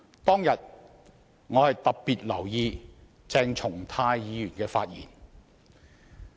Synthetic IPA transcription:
t̪ɔː˥ŋjɐ˨t̚ | ŋɔː˨˧hɐ˨jt̪ɐ˨p̚piː˨t̚lɐ˨˩wjiː˧ | t͡sɛː˧ŋt͡ʃʰʊ˨˩ŋt̪ʰaː˧jjiː˨˧jyː˨˩nkɛː˧faː˧t̚jiː˨˩n

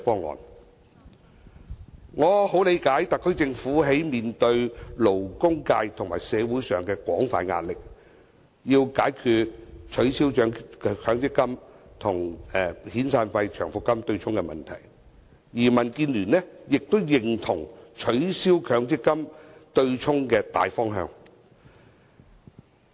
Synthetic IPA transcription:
fɔː˥ŋːɔ̰ː˨˧n | ŋɔː˨˧ho˨˥wle˨˧jkaː˨˥jt̪ɐ˨kʰːɵ˥ɥt͡sɪ˧ŋfuː˨˥ɦe˨˥jmiː˨nt̪ɵ˧ɥlo˨˩wkʊ˥ŋkaː˧jt̪ʰʊ˨˩ŋmaː˨˩jsɛː˨˧wu˨˥jsœː˨ŋkɛ˧kʷɔː˨˥ŋfaː˧nŋa̰ː˧t̚lɪ˨k̚ | jiː˧wkaː˨˥jkʰyː˧t̚t͡ʃʰɵ˨˥ɥsiː˥wt͡ʃœː˨˥ŋkʰœː˨˥ŋt͡sɪ˥kːɐ˥mt̪ʰʊ˨˩ŋɛ˨hiː˨˥nsaː˧nfɐ˧jt͡ʃʰœ̰ː˨˩ŋfʊ˨kːɐ˥mt̪ɵ˧ɥt͡sʰʊ˥ŋkɛ˧mɐ̰˨˩nt̪ʰɐ̰˨˩j | jiː˨˩mɐ˨˩nkiː˧nlyː˨˩nlɛ˥jɪ˨k̚t̪o˥wjɪ˨˩ŋt̪ʰʊ˨˩ŋt͡ʃʰɵ˨˥ɥsiː˥wkʰœː˨˧˥ŋt͡sɪ˥kːɐ˥mt̪ɵ˧ɥt͡sʰʊ˥ŋkɛː˧t̪a̰ː˨jfɔː˥ŋɦœ̰ː˧ŋ

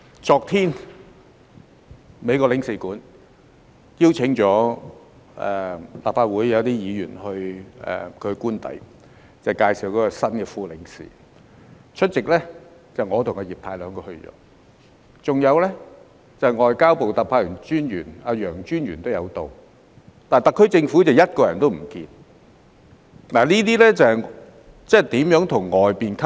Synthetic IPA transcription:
t͡sɔː˨˧k̚t̪ʰiː˥n | me˨˧jkɔː˧lɪ˨˥ŋsiː˨˩kuː˨˥n | jiː˥wt͡sʰɪ˨˥ŋt͡ʃɔː˨˥ | ɛ˨la̰ː˨p̚faː˧t̚wuː˨˥jjɐ˨˧wt̪iː˥jiː˨˧jyː˨˩nhɵ˧ɥɛ̰˨kʰɵ˨˧kuː˥nt̪ɐ̰˨˥j | t͡sɐ˨˩wkaː˧jsiː˨wkɔː˨˥kɔ˧sɐ˥nkɛː˧fuː˨lɪ˨˥ŋsḭː˨ | t͡ʃʰɵ˥t̚t͡sɪ˨k̚lɛ˥ | t͡sɐ˨wŋɔː˨˧t̪ʰʊ˨˩ŋkɔ˨˧jiː˨p̚t̪ʰaː˧jlœː˨˧ŋkɔː˧hɵ˧ɥt͡ʃɔ̰ː˨˧˥ | t͡sʊ˨ŋjɐ˨˧wlɛ˥ | t͡sɐ˨ŋɔː˨jkaː˥wpo˨wt̪ɐ˨pʰaː˧˥jy˨˩nt͡ʃyː˥nɥyː˨˩naː˧jœː˨˩ŋt͡ʃyː˥njɥyː˨˩nt̪o˥wjɐ˨˧wt̪o˨w | t̪aː˨nt̪ɐ˨˩kʰːɵ˥t͡sɪ˧ŋfu˨˥t͡sɐ˨wjɐ˥t̚kɔː˧jɐ˨˩nt̪o˥wm̩˨˩kiː˧n | laː˨˩liː˥t̪iː˥lɛ˥t͡sɐ˨ | t͡sɛ˥t̪iː˨˥mjœː˨˥ŋt̪ʰʊ˨˩ŋːɔː˨jpiː˨nkʰ

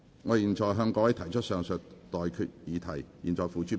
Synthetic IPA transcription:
ŋɔː˨˧jiː˨nt͡ʃɔː˨jɦœː˧ŋkɔː˨˧˥wɐ˨˥jt̪ʰɐ˨˩jt͡ʃʰɵ˥t̚sœː˨˧ŋsɵ˨t̚t̪ɔː˨jkʰyː˧t̚jiː˨˧t̪ʰɐ˨˩jjiː˨nt͡ʃɔː˨jfuː˨˧t͡ʃyː˥

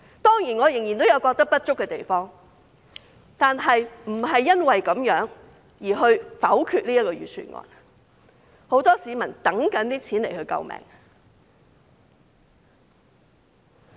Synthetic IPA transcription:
t̪ɔː˥ŋjiː˨˩nŋɔː˨˧jɪ˨˩ŋji˨nt̪o˥wjɐ˨˧wkɔː˧k̚t̪ɐ˥k̚pɐ˥t̚t͡ʃʊ˥kːɛː˧t̪e˨jfɔː˥ŋ | t̪aː˨nɦɐ˨jm̩˨˩ɦɐ˨jːɐ˥nwɐ˨jkɐ˨˥mjœː˨˥ŋ | jiː˨˩ɦɵ˧ɥfɐ˨˥wkʰyː˧t̚liː˥jɐ˥t̚kɔː˧jyː˨˩t͡ʃʰy̰ː˨nŋɔ̰ː˧n | ho˨˥wt̪ɔː˥siː˨˧mɐ˨˩nt̪ɐ˨˥ŋkɐ˨˥nt̪iː˥t͡sʰiː˨˥nle˨˩jhɵ˧ɥkɐ̰˧wmɛ̰ː˨˩ŋ

